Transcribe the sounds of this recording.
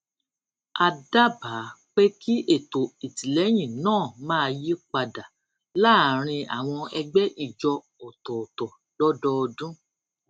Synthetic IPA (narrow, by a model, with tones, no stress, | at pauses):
a˧da˦ba˨˦k͡pe˦ki˦ʔe˦˨to˨i˨ti˨lɛ˨˦j̃ĩ˦˨nãː˦˨mãː˦˧ji˦k͡pa˧da˨ | la˦˨ɾ̃ĩ˧a̰˨w̃ɔ̃˧ɛ˧ɡ͡bɛ˦ʔi˦˨d͡ʒɔ˧ | ɔ˨tɔ˨ɔ˨tɔ˨ | l̥ɔ˦dɔ˦ɔ˧dũ˦